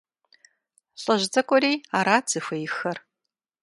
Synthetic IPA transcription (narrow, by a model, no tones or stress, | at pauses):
ɬʼɐʑd͡zʼɐkʷʼɔɾiːaːɾaːt͡sɨxʷejɪxɐr